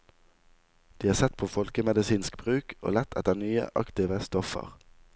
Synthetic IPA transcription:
d̪̥iːɑːsɛt̪pʰoːfɔlkəmɛd̪əsiːnsk̚b̥ʁʉːkʔo̰ːlɛt̪ʰɛt̪ənyːə̰ʔɑ̰kt̪ɪʋəst̪ɔfə̰ʁ

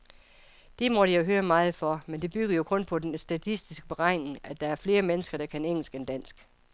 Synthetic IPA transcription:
d̥imɒɾ̥ijoɦøːɐmɑ̈ːð̞̩ˠfɒmend̥e̝b̥yɡ̥ɐjo̝kʰɔ̽npʰɒ̽d̥ensd̥æt͡sʰisd̥isɡ̥əb̥eʁɑ̈ɪ̰ne̝ŋæd̥ɑ̈æɐfle̝ːɐmenəsɡ̥ɐɾ̥ɑ̈kʰæneŋ̰l̩sɡ̥end̥æn̰sɡ̥

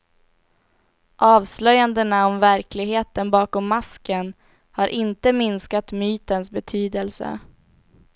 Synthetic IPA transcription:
ʔɑːvslœjand̪ənaɔmvæɾkʰlɪɡɦeːt̪ənbɑːkɔmːaskən | haɾʔɪnt̪əmɪnskat̪myːt̪ənsbɛt̪ʰyːd̪əlsə̰

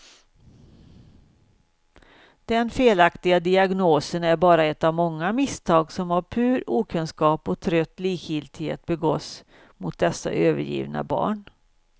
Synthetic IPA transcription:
d̪̥ɛnfeːlakt̪ɪɡad̪ɪaɡnoːsənæɾbɑːɾaɛt̪ːavmɔŋːamɪst̪ʰɑːɡsɔmhaɾpʰʉ̟ːɾuːkʰɵnskɑːpɔt̪ʰɾœt̪ːliːkhɪlt̪ɪhḛːt̪̚bɛɡɔt̪s | mʊt̪̚d̪ɛsːa̰ʔøːvə̰ɾjḭːvna̰bɑ̰ːɳ

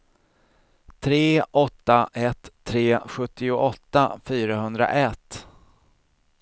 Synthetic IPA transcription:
t̪ʰɾeːʔɔt̪ːaʔɛt̪ʰːɾeːɧɵt̪ːɪʊʔɔt̪ːafyːɾaɦɵnd̪ɾa̰ʔɛt̪ː

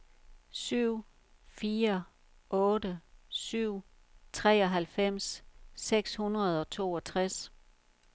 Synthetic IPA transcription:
syʊ̰ | fiːɐ | ʔɔ̽ːdəsyʊ̰ | t͡sʰʁɛːɒ̽ɦælfem̰sːeɡ̥shunʁɐð̞ˠɒ̽t͡sʰo̝ːɒ̽t͡sʰʁas

